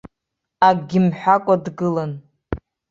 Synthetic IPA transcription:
aɡʲɪmħʷᶣakʷʼadɡɨlan

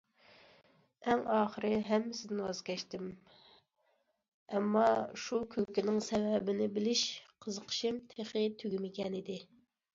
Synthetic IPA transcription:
ɛŋɑːχəɾɨɦɛmːɪsɪd̪ɪnwɑzkʲɛʃt̪ɪm | ɛmːɑʃukʲʰøkʲinɪŋsɛwɛbɪnɪbɪlɪʃqʰəzəqʰə̥ʃɪmt̪ʰeχɪt̪ʰyɡʲimɪkʲɛnid̪ɪ

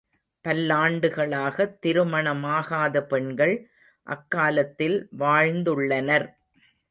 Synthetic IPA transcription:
pɐlːaːɳɖɯɣɐɭaːɣɐt̪ːɪɾɯmɐɳɐmaːɣaːðɐpɛɳɡɐɭ | ʔɐ̰kːaːlɐt̪ːɪlʋaːɻnd̪ɯɭːɐnɐɾ

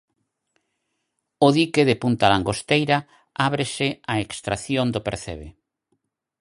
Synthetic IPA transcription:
ʊðikeðepunt̪alaŋɡost̪ejɾa | aβɾɪsɪaekst̪ɾaθjond̪opeɾθḛβḛ

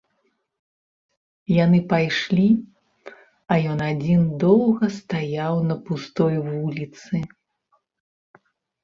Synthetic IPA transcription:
janɨpajʂlʲi | ɐjɔnad͡zʲind̪ɔwˠɣɐst̪ajawnɐpust̪ɔjvulʲit̪sɨ

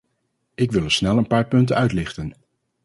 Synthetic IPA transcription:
ɪkʋɪlˠəsnɛlˠənpaːɹpɵntənœɥtlɪχtən

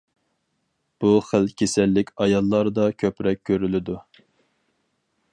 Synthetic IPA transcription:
b̥uχælkʲʰesɛlːɪkʲɑjɑlˠːɑɾd̪ɑkʲʰøpɾɛk̚ʲʰːøɾylɪd̪u

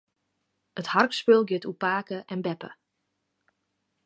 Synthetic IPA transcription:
ətharkspølˠɡɪtupaːkəʔɛnbɛpə̰

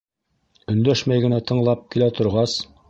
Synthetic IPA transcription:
ɵ̆nd̪æʃmæjɡɘ̆næt̪ʰɤ̆ɴlˠɑp̚kilæt̪ʰŏɾʁɑs

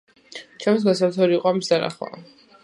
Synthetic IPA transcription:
t͡ʃʰɛmis̬ɡas̬aɾt̪ʰɔɾiːqʼɔamisd̪aɾna̰χla̰

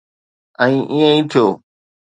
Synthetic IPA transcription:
ə̃ĩːʔijə̃ĩːt̪ʰijoː

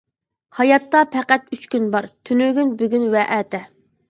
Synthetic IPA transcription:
hɑjɑt̪ːɑpʰɛqæt̪yt͡ʃkʲynbɑɾt̪ʰynyɡʲynbyɡʲynwɛʔæːt̪ʰɛ

